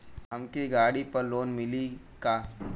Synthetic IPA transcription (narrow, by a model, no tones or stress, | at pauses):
ɦɐmkiɡaːɽipɐɾloːnmɪli | kaː